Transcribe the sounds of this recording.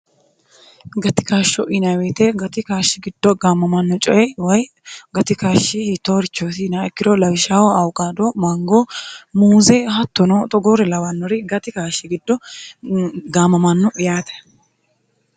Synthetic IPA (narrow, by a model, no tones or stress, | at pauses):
ɡɐt̪ɪ̥kaːʃːɔʔɪnɐwet̪ɛɡɐt̪ɪkaːʃːɪɡɪd̪̥ːɔɡaːmːɐmɐnːɔt͡ʃʼɔjɛwɐj | ɡɐt̪ɪkaːʃːɪhiːt̪ːoɾɪt͡ʃːoːsɪnaɛkːɪɾɔlɐwɪʃawɔɐwkʼaːd̪ɔmɐŋɡomuːzɛhɐt̪ːɔnɔt̪ʼɔɡɔɾɛlɐwɐnːɔɾɪɡɐt̪ɪkaːʃːɪɡɪd̪ːɔ | ɡaːmːɐmɐnːʊʔɪjaːt̪ɛ̥